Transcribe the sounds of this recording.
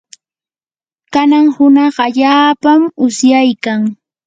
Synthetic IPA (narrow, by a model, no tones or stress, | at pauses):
kanaŋhʊnɑχaʎaːpamʊsjajkaŋ